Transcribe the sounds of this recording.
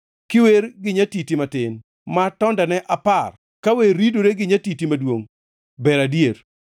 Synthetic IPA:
kɪweɾɡɪɲatitimatɪn | matɔndanɛʔapar | kaweɾidoɾeɡɪɲatitimadwoŋ | bɛɾadjeɾ

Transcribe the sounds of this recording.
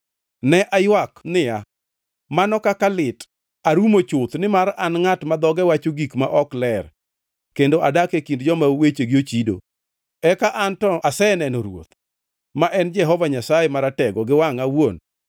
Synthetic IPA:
nɛʔajwaknɪja | manɔkakalɪt | aɾumot͡ʃʊt̪nɪmaɾanŋatmad̪ɔɡɛwat͡ʃoɡikmaʔɔklɛr | kendoʔadakekindd͡ʒɔmawet͡ʃeɡot͡ʃido̰ | ɛkaʔantɔasɛnɛnɔɾwo̰t̪ | maʔɛnd͡ʒɛɦɔvaɲasajemaɾatɛɡɔɡɪwaŋawon

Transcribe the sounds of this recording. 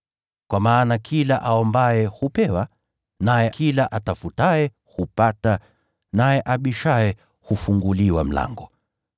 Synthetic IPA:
kwamaːnakʰilaʔaɔmbaɛhupɛwa | najɛkʰilaʔatafutaɛ | hupata | najɛʔaɓiʃaɛ | hufuŋɡuliwam̩la̰ŋɡɔ

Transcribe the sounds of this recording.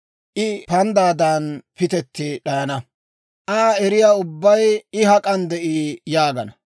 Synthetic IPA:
ʔɪpɐnd̪aːd̪aːnpɪt̪ɛt̪ːɪɗɐjɐnɐ | ʔaːɛɾɪjaːʊbːɐjɪɦɐkʼɐnd̪ɛʔiːjaːɡɐnɐ

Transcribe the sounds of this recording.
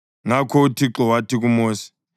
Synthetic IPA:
ŋakʰɔutʰiǁɔwatik̬umoːsi̥

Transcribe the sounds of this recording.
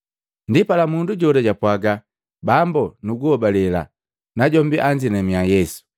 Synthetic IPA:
ndipalamunduɟɔdaɟapwaɡa | bambɔnuɡuhɔbalɛla̰ | naɟɔmbiʔaɲd͡ʒinɛmiajɛsu̥

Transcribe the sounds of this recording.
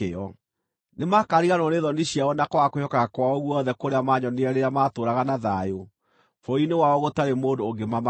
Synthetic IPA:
eɔ | nemakaɾiɣanɔneðɔniɕiaɔnakɔwakohɔkaɣakwaɔɣwɔɔðɛkoɾeamaɲɔneɛɾeɾamaːtoːɾaɣanaðajo | fɔinewaɔɣotaɾemoːndoːɡemama

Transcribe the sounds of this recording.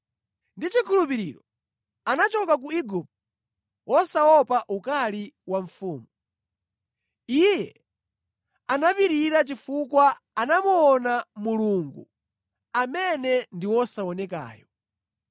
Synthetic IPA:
ndit͡ʃikʰulupiɾiɾɔ | anat͡ʃɔkak̬uiɡup̚t | wʔɔsawɔpaʔukaliwaɱ̩fuːmu | ijɛ | anapiɾiɾat͡ʃifukwa | anamuɔnamuluŋɡṵ | amɛnɛndiwɔsaɔnɛka̰ːjɔ

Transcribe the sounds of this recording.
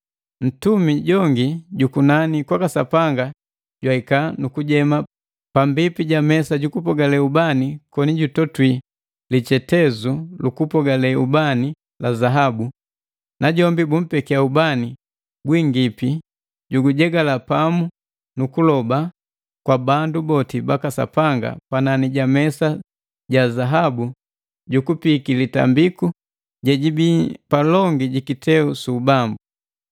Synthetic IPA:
n̩tumiɟɔŋɡiɟukunanikwakasa̰paŋɡa | ɟwaikanukuɟɛma | pambipiɟamɛsaɟukupɔɡalɛubanikɔniɟutɔtwi | lit͡ʃɛtɛzulukupɔɡalɛubani | lazaɦabu | naɟɔmbibum̩pɛkiaubani | ɡwiŋɡipi | ɟuɡuɟɛɡalapamu | nukulɔba | kwabandubɔtibakasa̰paŋɡa̰pananiɟamɛsa | ɟazaɦabu | ɟukupikilita̰mbiku | ɟɛɟibipalɔŋɡiɟikitɛusubambu

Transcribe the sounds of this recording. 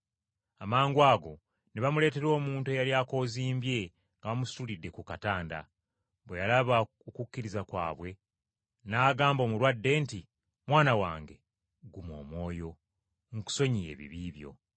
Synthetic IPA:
amaːŋɡwaːɡo̞ | neβamule̞ːte̞ɾo̞ːmuːntuejaljaːko̞ːziːmbje̞ | ŋɡaβamusulidːe̞kukataːnda̰ | βwejalaβa | okukːiɾizakwa̰ːβwe̞ | naːɡaːmbo̞ːmuɾwadːe̞nti | mwaːnawa̰ːŋɡe̞ | ɡumo̞̰ːmwo̞ːjo̞ | ŋuku̥so̞ɲije̞̰ːβḭβiːβjo̞̰

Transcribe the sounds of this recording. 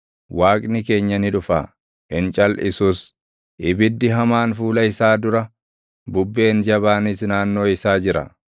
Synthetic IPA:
waːkʼnɪke̞ːɲːɐnɪᶑʊfa̰ː | ʔɪnt͡ʃʼɐlɪ̰suːs | ʔɪbɪd̪ːɪɦɐmaːnfuːlɐɪsaːd̪ʊɾɐ | bʊbːe̞ːnd͡ʒɐβaːnɪsnaːnːo̞ːɪsaːd͡ʒɪɾɐ̰

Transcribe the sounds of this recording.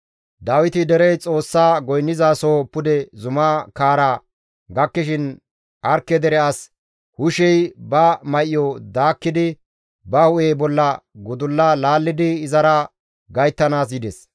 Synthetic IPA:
d̪aːwɪt̪ɪd̪ɛɾɛjt͡sʼo̞ːsːaːɡɔjnːɪzaːsoːpːʊd̪ɛzʊmakaːɾa | ɡɐkːɪʃɪn | ʔɐɾkːɛd̪ɛɾɛas | hʊʃɛjbɐmɐʔɪjɔd̪aːkːɪd̪ɪ | bɐhʊʔeːbɔlːɐɡʊd̪ʊlːalaːlːɪd̪ɪɪzɐɾɐ | ɡɐjt̪ːɐnaːs̬jɪd̪ɛs

